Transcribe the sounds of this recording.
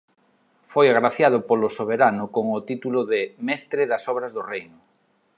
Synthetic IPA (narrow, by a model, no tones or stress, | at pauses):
fojaɣɾaθjað̞ʊpolʊsoβ̞eɾanʊkoŋʊt̪it̪ulʊðɪmɛst̪ɾɪðasɔβɾazðorejnʊ